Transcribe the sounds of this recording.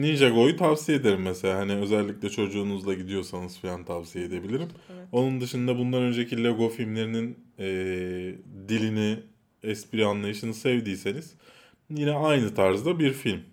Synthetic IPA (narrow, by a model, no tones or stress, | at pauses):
nind͡ʒaɡo̞jut̪ʰavsijed̪e̞ɾimːɛselʲaːɦaniø̞zɛlʲːic̚lʲɛt͡ʃʰo̞d͡ʒuːnuzlˠaɟid̪ijo̞sanɯz̥filʲant̪ʰavsijeed̪e̞bilʲiɾimo̞nund̪ɯʃɯnd̪abund̪anø̞nd͡ʒecʰilʲeɡo̞filʲmlʲe̞ɾininɛː | d̪ilʲini | ɛspiɾianlˠajɯʃɯnɯsɛvd̪iːse̞niz̥ | jinɛajnɯt̪ʰaɾzd̪abiɾfilʲm